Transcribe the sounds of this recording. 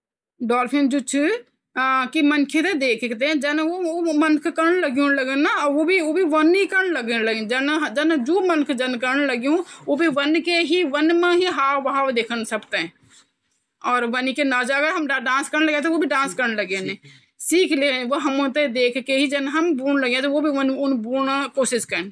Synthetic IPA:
ɖɔːlpʰɪ̃nd͡ʒʊt͡ʃʰu | kimənkʰẽt̪ed̪eːkʰt̪eɛ̃d͡ʒɛnomənkʰkəɾnləɡjũnləɡənaɔːʋobʱiobʱiʋənikəɾnləɡnlə̃d͡ʒənɦd͡ʒɛnd͡ʒoːmənkʰd͡ʒɐnkəɾnləɡiũobʱiʋənkeɦiʋənmãɦiɦaːʋɦaːʋd̪eːkʰənsəbt̪eɛ̃ | ɔːɾʋənikenad͡ʒaːɡaɦɐmɖãːskəɾnləɡẽːt̪eobʱiɖãːskəɾnləɡẽnẽː | siːkʰleːʋoɦəmõt̪ed̪eːkʰkeɦid͡ʒɛnɦəmbuːnləɡjẽãt̪oobʱiʋənʊnbuːnakoːʃɪskəɾn

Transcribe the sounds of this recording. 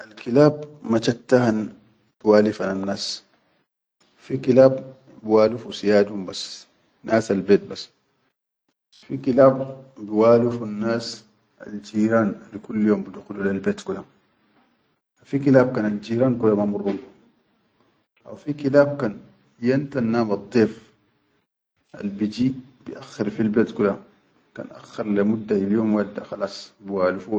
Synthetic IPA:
ʔalkilaːbmat͡ʃat̪ːahan | b̥iwaːlifananːaːs | fikilaːbː | iwaːlufusijaːdumbas | nʔaːsalbeːt̪̚bas | fikilaːbbiwaːlufunːaːs | a̰ld͡ʒiːɾaːnlikulːjoːmbiduxudulalbɛːt̪kudam | afikilaːb̚kaːnald͡ʒiːɾaːnkulamamurːun | ʔa̰wfikilaːb̚kan | jant̪anːaːmɑd̪ˤːeːf | ʔa̰lbid͡ʒib̥iʔaxːɪɾfilbeːt̪kula | ka̰ːnʔa̰xːɪɾˤlamud̪ːailjoːmwad̪ːaxɑlɑːsˤbiwaːlufu

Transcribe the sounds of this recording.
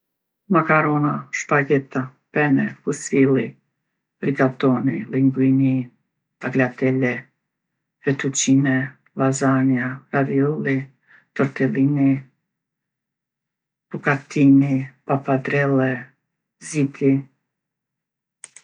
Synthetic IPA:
makaɾɔnaʃpaɡɛt̪a | pɛnɛfusilˠi | bɾiɡat̪ɔniliŋɡwini | b̥aɡlat̪ɛlɛ | fɛt̪ut͡ʃinɛ | lazanjaɾaðiɔlˠi | t̪ɔɾt̪ɛlini | bukat̪inipapad̪ɾɛlɛ | zit̪i

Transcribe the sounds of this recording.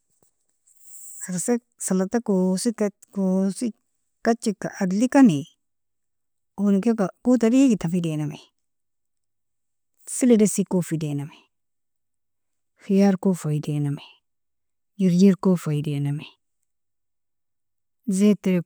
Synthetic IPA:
akase | salatakosik | kosi | kat͡ʃːikːaʔadlikani | onikekakut̬adiikitafidename | siledesikofidename | xijaɾkofaidename | jiɾjiɾkofaidename | zete

